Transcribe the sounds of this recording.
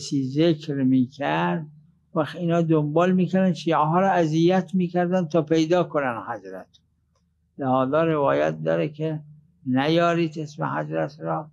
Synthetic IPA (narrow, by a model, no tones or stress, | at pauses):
siːzekɾmiːkʰæɾd̪̚ | væxiːnɒːd̪ombɒːlmiːkæɾænʃiːæɦɒːɾɒːæzijæt̪ʰmiːkʰæɾd̪ænd̪t̪ʰɒːpʰejd̪ɒːkonænhæzɾæ̰t̪ | lehɒːzɒːɾevɒːjæ̰t̪̚d̪ɒ̰ːɾekʰe | næjɒːɾiːd̪esmḛhæ̰zɾæt̪ʰɾɒː